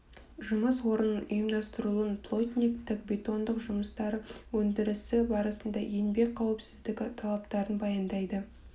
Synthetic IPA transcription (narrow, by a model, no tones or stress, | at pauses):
ʒʊməswo̞ɾənʊjəmd̪ɑst̪əɾulˠənpʰlˠot̪ʲnʲikt̪ʰɪkbʲe̞t̪o̞nd̪əqʒʊməst̪ɑɾəwɵnd̪ɪɾɪsɪbɑɾɑsənd̪ɑje̞nbe̞k̚qʰɑwɪpsɪzd̪ɪkʲt̪ʰɑlˠɑpt̪ɑɾənbɑjɑnd̪ɑjd̪ə